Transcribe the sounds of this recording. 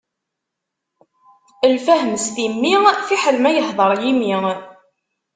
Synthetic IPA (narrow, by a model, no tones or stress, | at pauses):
əlfæɦəmst̪imːifiħəlmæjəhðˤəɾˤjimi